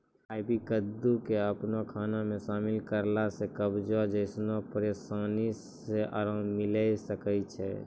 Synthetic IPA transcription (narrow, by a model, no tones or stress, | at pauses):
aɪbʱikəd̪ːukeəpnakʰaːnamẽʃaːmɪlkəɾlasekəbd͡ʒad͡ʒəɪsnapəɾeːsaːnis | eʔə̰ɾãmɪlaisəkəjt͡ʃʰɛ̰